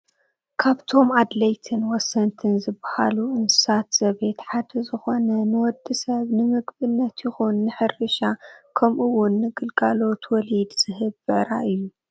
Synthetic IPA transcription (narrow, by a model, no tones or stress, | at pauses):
kʰaβt̪ʰo̞mad̪lɐjt̪ʰɨnwɔsːɐnt̪ʰɨnzɨbaha̰luʔɨnsɨ̥sat̪z̥ɐβe̞t̪ħad̪ɐzɨxo̞nɐnɨwɔd̪ːɨsɐβnɨmɨɡbɨnːɐt̪jɪxunːɨħɨrɨʃakʰɐmʔuwʊnːɨɡɨlɡʼalo̞t̪wɔlid̪z̥ɨhɨβːɨʕɾa̰ʔɨjːu